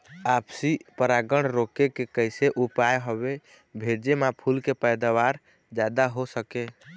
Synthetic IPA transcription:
apsipəɾaɡəɽɾokekekəɪseʔupajɦobe | bʱeɾd͡ʒemãpʰulkepəjd̪awaɾ | d͡ʒad̪aɦosəke

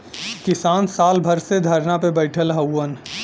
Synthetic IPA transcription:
kɪsaːnsaːlbʱɐɾsed̪ʱəɾnapebəɪʈʰəlɦəwːən

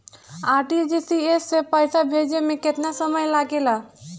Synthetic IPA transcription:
aːɾʈid͡ʒisiesːepəjsabʱed͡ʒemẽket̪nasəməjlaɡela

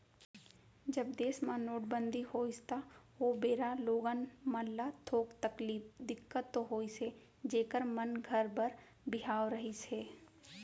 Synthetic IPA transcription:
d͡ʒəbd̪eːsmãnoːʈbə̃nd̪ʱihoːɪst̪aoːbeːɾaloːɡanməlllat̪ʰoːkt̪əkliːfd̪ɪkːət̪ːoɦoːise | d͡ʒeːkəɾmənɡʱəɾbəɾ | bɪɦaːoɾəɦiseː

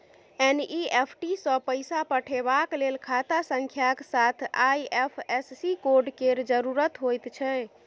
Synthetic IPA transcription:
eniepʰʈisə̃pəjsapəʈʰebaklelkʰat̪asə̃ŋkʰjaksat̪ʰajepʰessikoɾɖkeɾd͡ʒəɾuɾət̪ɦojt̪t͡ʃʰɛ

